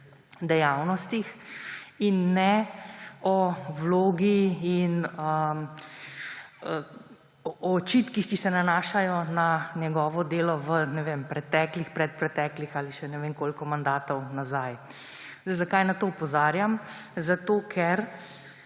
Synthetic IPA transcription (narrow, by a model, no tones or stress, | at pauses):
d̪ɛjawnɔst̪ix | inːɛ | ɔwloːɡiinə | ə | t͡ʃit̪kixkisɛnanaːʃajɔnanjɛɡɔːʋɔd̪eːlɔʋənɛʋempɾɛt̪ɛːklixpɾɛt̪̚pɾɛt̪ɛklixaːliʃɛnɛʋeŋkoːlkɔmand̪aːt̪ɔwnazaj | zd̪ɛjzakajnat̪oːupɔzaːɾjamzat̪oːkʰɛɾ